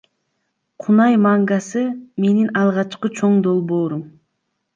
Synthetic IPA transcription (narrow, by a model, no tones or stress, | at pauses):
qʰunɑjmɑŋɡɑsɯme̞ninɑlˠʁɑt͡ʃqɯt͡ʃʰo̞ɴd̪o̞lˠbo̞ːɾum